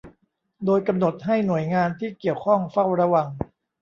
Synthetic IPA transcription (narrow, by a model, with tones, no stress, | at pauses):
doː˧jka˧mno˨˩t̪̚ɦa˥˩jnu˨˩ə˦jŋaː˧nt̪ʰiː˥˩ki˨˩əwkʰɔ˥˩ŋfa˥˩wɾa˧wa˧ŋ